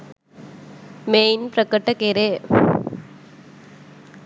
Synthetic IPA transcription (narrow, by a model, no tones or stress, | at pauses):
meɪnpɾɐkːɐʈːɐkeːɾe